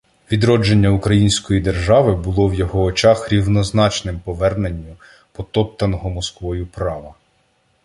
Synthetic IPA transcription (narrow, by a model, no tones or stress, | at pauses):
ʋʲid̪ɾɔd͡ʒe̞nʲːɐukɾɐjinʲsʲkɔjid̪e̞rʒɑʋɪbʊlˠɔwjɔɦɔːt͡ʃɑxɾʲiwnɔznɑt͡ʃnɪmpɔʋɛrnenʲːu | pɔt̪ɔp̚t̪ɐnɔɦɔmɔskʋɔjʊpɾɑʋɐ